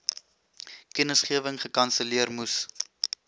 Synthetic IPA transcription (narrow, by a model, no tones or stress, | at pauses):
kənəsχiəvəŋχəkɐnsəliərmus